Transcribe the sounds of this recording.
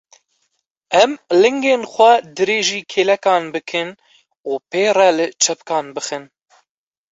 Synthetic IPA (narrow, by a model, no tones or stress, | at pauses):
ɛmlɨŋɡeːnxʷɛd̪ɨɾeːʒiːkʰeːlɛkɑːnbɨkʰɨn | uːpeːrɛlɨt͡ʃʰɛpkɑːnbɨxɨn